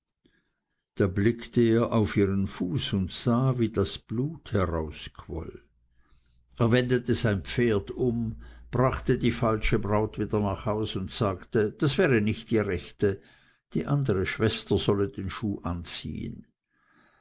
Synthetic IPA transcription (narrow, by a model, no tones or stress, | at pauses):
d̥aːblɪktəeːɐʔaʊfiːʁənfuːsʊntz̥aːviːdasb̥luːthɛʁaʊskʰv̥ɔ̰l | ʔeːɐvɛndətəzaɪnp͡feːɐdʊmb̥ʁaχtədiːfalʃəbʁaʊtv̥iːdɐnaːχhaʊsʊntz̥aːktəd̥asv̥ɛːʁənɪçtd̥iːʁɛçtə | d̥ḭːʔandəʁəʃv̥ɛstɐz̥ɔlədeːnʃuːʔant͡sḭːə̰n